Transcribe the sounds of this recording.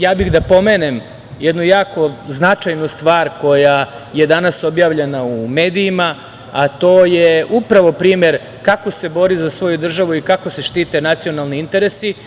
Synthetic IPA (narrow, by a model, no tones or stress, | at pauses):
jaːbixd̪apo̞me̞ːnem | jed̪nujaːko̞znat͡ʃajnust̪ʋaːɾko̞ja | je̞d̪anaso̞bjaːʋʎe̞naume̞ːd̪iima | at̪o̞ːjeupɾaʋo̞pɾiːmje̞ɾ | kako̞se̞bo̞ɾizasʋo̞jud̪r̩ʒaʋuikako̞se̞ʃt̪iːt̪e̞nat̪sio̞nalˠniint̪e̞ɾesi